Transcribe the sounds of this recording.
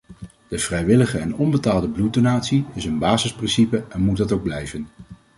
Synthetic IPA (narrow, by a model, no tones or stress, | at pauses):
d̥əv̥rɛjʋɪləχəɛnɔmbətaːlˠdəblut̚donaːtsiɪsənbaːzɪsprɪnsipəɛnmut̚dɑtowɡ̚blɛjvən